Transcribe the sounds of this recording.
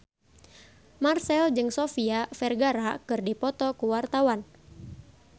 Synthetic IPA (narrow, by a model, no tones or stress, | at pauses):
marsɛld͡ʒɨŋsɔfiafɛrɡaɾakɨrdipɔt̪ɔkuwart̪awan